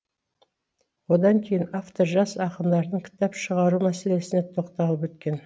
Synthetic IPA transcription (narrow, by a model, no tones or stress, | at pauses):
wo̞d̪ɑŋkʲʰe̞jɪnaft̪o̞ɾʒɑsɑqəmd̪ɑɾd̪əɴkʲʰɪ̥t̪ɑpʃəʁɑɾumæse̞le̞sɪnet̪ʰo̞qt̪ɑlˠəpwɵt̪kʲe̞n